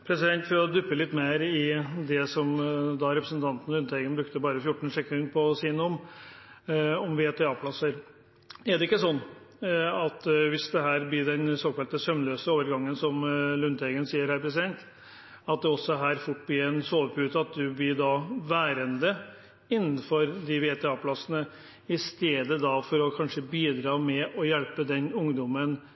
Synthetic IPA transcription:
pʰɾɛsɪd̪ɛnt̪fɔɾɔd̪ʉpːəlɪt̪ːmeːɾɪd̪ɛsɔmd̪ɑɾɛpɾəsənt̪ʰɑnt̪n̩lʉnt̪ɛɡənbɾʉkt̪əbɑːɾəfjʊʈːɳn̩ʂɛkːɪŋpʰɔsiːnɔm | ɔmʋɪeːt̪ɛɑːpʰlɑsːəɾ | ɛɖ̪ɛɪkːəsɔnː | ɑt̪ʋɪsd̪ɛɦæːɾblɪɖɛnsoːkɑlt̪əsœmløːsəoːʋəɾɡɑŋːənsɔmlʉnt̪ʰɛːɡənsiːəɾhæːɾpɾɛs̬ɪd̪ɛnt̪ | ɑt̪̚d̪ɛɔsːɔɦæːɾfʊʈ̚ːblɪːɾɛnsoːʋəpʰʉːt̪əɑt̪̚d̪ʉblɪɖɑʋæːɾənd̪ə | ɪnːn̩fɔɾd̪ɪʋeːt̪ʰɛɑːpʰlɑsənə | ɪst̪eːd̪əd̪ɑfɔɾɔkʰɑnʂəbiːd̪ɾɑːmɛɔjɛlpəd̪ɛnʊŋd̪ɔmən

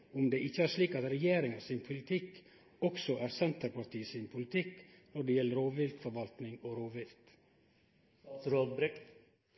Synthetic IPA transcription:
ʊmd̪eːʔɪçəæːɾʂliːkɑt̪ɾɛjeːɾɪŋɑsɪnpʰʊlɪt̪ʰɪk | ɔksɔʔæːɾsɛnt̪əɾpɑɾʈ̪ʰiːəsɪnpʰʊlɪt̪ʰɪk | nɔɖeːjɛlːəɾoːʋɪlt̪fɔɾʋɑlt̪nɪŋoːɾoːʋɪlt̪ | ɾoːd̪bɾɪk

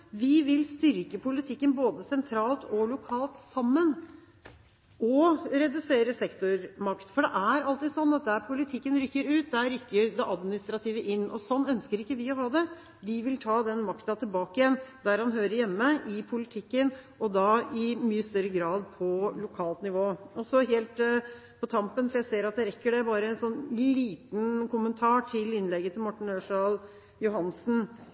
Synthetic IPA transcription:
ʋɪʋɪlst̪ʏɾkəpʰʊlɪt̪ʰɪkːənboːd̪əsɛnt̪ʰɾɑːlt̪ʰɔlʊkʰɑːlt̪sɑmːən | ɔɾɛd̪ʉseːɾəsɛkt̪ʊɾmɑkt̪fɔɖɛʔæɾɑlt̪ɪd̪sɔnːɑt̪̚d̪æɾpʰʊlɪt̪ʰɪkːənɾʏkːəɾʉːt̪̚d̪æɾʏkːəɾd̪ɛʔɑd̪mɪnɪst̪ɾɑt̪ʰiːʋəʔɪnːʔɔ̰sɔnːœnskəɾɪkːəʋɪɔɦɑːd̪ɛ | ʋɪʋɪlt̪ʰɑːd̪ɛnmɑkt̪ɑt̪ʰɪlbɑːkəjɛnd̪æɾhɑnɦøːɾəɾjɛmːəʔɪpʰʊlɪt̪ʰɪkːənʔɔd̪ɑɪmyːəst̪œɾːəɡɾɑːd̪pʰɔlʊkʰɑːlt̪nɪʋoːɔsɔɦeːlt̪ | pʰɔt̪ʰɑmpənfɔɾjæseːɾɑt̪̚d̪ɛɾɛkːəɖɛbɑːɾəɛnsɔnːliːt̪n̩kʊmənt̪ʰɑːʈʰɪlɪnlɛɡːət̪ʰɪlmɔʈːɳ̩øːʂɑl | jʊɦɑnsn̩

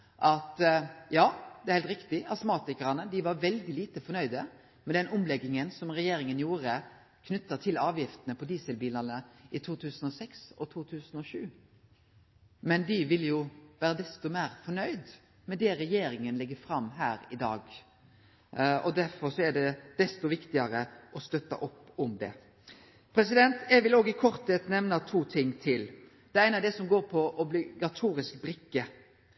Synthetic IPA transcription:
ʔɑt̪jɑːd̪ɛæɾhɛːlt̪ɾɪkt̪ɪɑsmɑːt̪ɪkəɾɑnəd̪ɪʋɑɾʋɛld̪ɪliːt̪əfɔɳœʏd̪ə | mɛd̪ɛnʔʊmlɛɡːɪŋənsɔmɾɛjeːɾɪŋənjuːɾə | kʰnʉt̪ːət̪ʰɪlɑːʋjɪft̪ənəpʰɔd̪iːsəlbiːlənəʔɪt̪ʰuːt̪ʰʉːsən̩ɔsɛksɔt̪ʰuːt̪ʰʉːsənɔʂʉː | mɛnd̪ɪʋɪlːjʊʋæːɾəd̪ɛst̪ɔmæːɾfɔɳœʏd̪ | mɛd̪ɛɾɛjeːɾɪŋənlɪɡːəfɾɑmːɦæːɾɪd̪ɑːɡ | ɔ̰d̪æfɔɾsɔæɖɛd̪̥ɛst̪ɔʋɪkt̪ɪɑɾəʔɔst̪œt̪ːɑ̰ʔɔpːɔmd̪ɛ̰ | pʰɾɛsɪd̪ɛnt̪ɛɡʋɪloːɡɪkʰɔɾt̪ɛt̪nɛʋnɑt̪ʰuːt̪ʰɪŋːt̪ʰɪl | d̪̥ɛːɾæɪnɑd̪ɛsɔmɡoːɾpʰɔʔɔblɪɡɑt̪ʰuːɾɪskbɾɪkːə

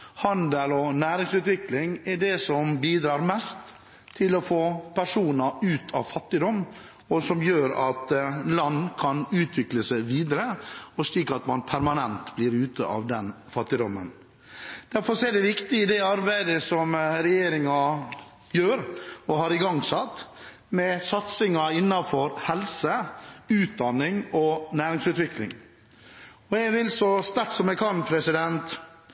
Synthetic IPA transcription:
hɑnd̪əlɔnæːɾɪŋsʉːt̪ʋɪklɪŋɛɖɛsɔmbiːd̪ɾɑːɾmɛst̪ʰː | ɪlɔfoːpʰæʂuːnɑʉːt̪ʰɑ̰ʋfɑt̪ːɪd̪ɔmː | ɔsɔmjøːɾɑt̪lɑnːkʰɑnʉːt̪ʰʋɪkləsæɪʋiːd̪əɾəɔsliːkɑt̪mɑnpʰæɾmɑnɛnt̪bliːɾʉːt̪ə̰ʔɑ̰ʋd̪ɛn | fɑt̪ːɪd̪ɔmːən | d̪̥æɾfɔɾʂɔɛɖɛʋɪkt̪ɪɪd̪ɛɑɾbæɪd̪əsɔmɾɛjeːɾɪŋɑ | jøːɾɔhɑɾɪɡɑŋsɑt̪ː | mɛsɑt̪sɪŋɑɪnːɑfɔɾhɛlsəʉːt̪̚d̪ɑnːɪŋɔnæːɾɪŋsʉːt̪ʋɪklɪ̰ŋ | ɔɛɡʋɪlsɔst̪æʈsɔmɛɡkʰɑnpʰɾɛsɪd̪ɛnt̪

